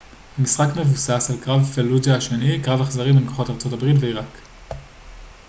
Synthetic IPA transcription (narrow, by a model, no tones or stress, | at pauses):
hamisχakme̞vusasalkʁavfeluzaaʃe̞nikʁavaχzaʁimimkoχo̞taʁt͡so̞tabʁitveiʁak